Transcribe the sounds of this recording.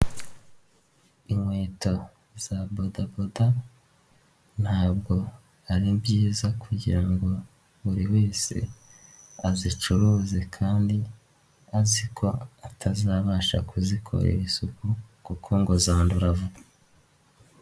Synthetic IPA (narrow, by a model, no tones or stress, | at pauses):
iŋwe̞ːto̞ | z̥abodaboda | n̥haːb̚ɡo̞ | aɾibɟiːzakuɟiɾaŋɡo̞ | βuɾiwe̞ːse̞̰ | azit͡ʃuɾuːze̞kʰaːndi | azikʰo̞atʰaziɾaβaːʃa̰kuzikʰo̰ɾḛɾizukukukʰo̞ŋɡozaːnduɾavu